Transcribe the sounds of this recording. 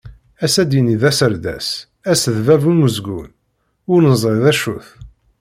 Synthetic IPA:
æsæd̪iniðæsəɾd̪æ̰s | æsðvævuməzɡṵn | ʊɾnəzˤɾˤeðæʃuθ

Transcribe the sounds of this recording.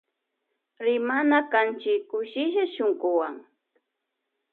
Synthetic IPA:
ɾɪmanakant͡ʃɪkːʊʃɪʃaʃoŋɢʊwaŋ

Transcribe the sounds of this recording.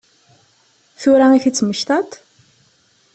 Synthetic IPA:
θuɾaŋiθit͡sməʃt̪at̪ʰ

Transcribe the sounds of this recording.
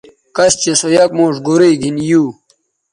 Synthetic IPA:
kɐst͡ɕesojɐk̚moːʂɡoɾeɡʱinjuː

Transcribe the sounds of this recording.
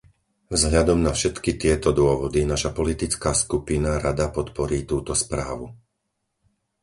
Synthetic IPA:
vzɦʎad̪ɔmnafʃɛt̪kit̪ɪɛt̪ɔd̪ʊɔʋɔd̪inaʃapɔlit̪it͡skaːskupinaɾad̪apɔt̪pɔɾiːt̪uːt̪ɔspɾaːʋu

